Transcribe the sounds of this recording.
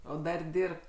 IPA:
ˈoː ˈdɐr ˈdʲɪrpt

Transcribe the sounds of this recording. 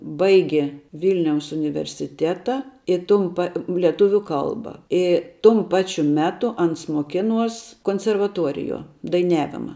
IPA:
ˈbɐɪɡʲeː ˈʋʲɪlʲnʲɛʊs ʊnʲɪʋʲɛrʲsʲɪˈtʲæːtɐ ɪ ˈtʊm pɐ lʲɛˈtʊʋʲʊ ˈkɐlˠbɐ ˈɪ tʊm ˈpɑːt͡ʃʲʊ ˈmʲæːtʊ ˈɐns moːˈkʲɪˌnuɔs koːnʲsʲɛrʋɐˈtuɔrʲɪˌjuɔ dɐɪˈnʲæːʋʲɪmɐ

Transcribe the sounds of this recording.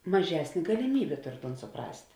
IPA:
mɐˈʒʲæːsʲnʲeː ɡɐlʲɪˈmʲiːbʲeː ˈtoːr toːn sʊˈprɐsʲtʲ

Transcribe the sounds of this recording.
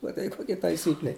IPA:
mɐˈtɐɪ koːˈkʲɛ tɐɪˈsʲiːklʲɛ

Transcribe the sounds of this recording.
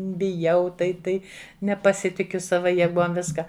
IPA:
bʲɪˈjɛʊ tɐɪ ˈtɐɪ nʲɛpɐˈsʲɪtʲɪkʲʊ ˈsɑːʋɐ jɛˈɡuɔm ˈʋʲɪskɐ

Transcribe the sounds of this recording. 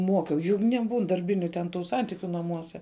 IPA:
ˈmoːkʲɛʊ jʊk nʲɛˈbuːn dɐrʲˈbʲɪnʲʊ tʲɛn ˈtuː ˈsɐnʲtʲɪkʲʊ nɐˈmuɔsʲɛ

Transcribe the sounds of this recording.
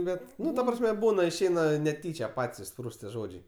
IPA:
ˈbʲɛt ˈnʊ tɐ ˈprɑːsʲmʲɛ ˈbuːnɐ ɪʃʲˈɛɪnɐ nʲɛˈtʲiːt͡ʃʲɛ ˈpɐtʲsʲ ɪʃˈspruːst tʲiɛ ˈʒoːd͡ʒʲɛɪ

